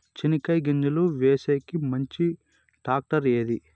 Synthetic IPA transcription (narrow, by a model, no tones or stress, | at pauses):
t͡ʃinikɐjɡiɲd͡ʒuluʋeːseːkimɐɲt͡ʃi | ʈaːk̚ʈɐɾeːd̪i